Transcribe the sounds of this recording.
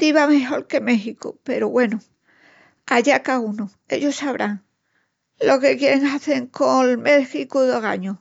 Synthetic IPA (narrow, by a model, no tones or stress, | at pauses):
t̪iβameɦo̞ɾke̞me̞xiko̰pe̞ɾoβwe̞no | aʎakauno | e̞̰ʎosaβɾʔaŋ | lo̞ke̞kje̞ɾeŋaθe̞ŋkolmexikuðoɣa̰ɲo